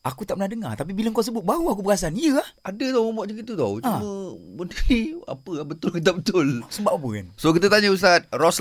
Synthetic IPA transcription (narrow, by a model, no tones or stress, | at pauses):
ʔakut̪aʔpənahdəŋa̰t̪ap̬ibiləŋkas̬əbʊt̪̚baɣuak̬upəɣas̬anijəahadət̪ɔwmomɔʔd͡ʒəŋiut̪ɔwt͡ʃuãməmət̪ɾia̰pəabət̪ʊlkit̪̬abət̪ʊlsəbap̚apəka̰nsokit̪̬ət̪aɲəust̪at̪̚rɔs